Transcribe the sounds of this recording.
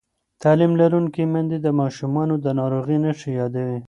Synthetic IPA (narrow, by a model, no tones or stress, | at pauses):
t̪ɑlimlaɾuŋkimand̪ed̪əmɑʃumɑnod̪ənɑɾoɣinəʃijɑd̪awi